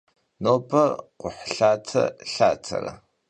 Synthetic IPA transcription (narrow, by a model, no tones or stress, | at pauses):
noːpʰʼɐqʷʊħɬaːtʰɐ̰ɬaːtʰɐrɐ